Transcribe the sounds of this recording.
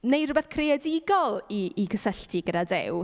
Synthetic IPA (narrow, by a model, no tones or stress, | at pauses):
nejrʊbɛθkʰreɛdɪɡɔlˠiːɡəsəɬtʰiɡədadɪ̰w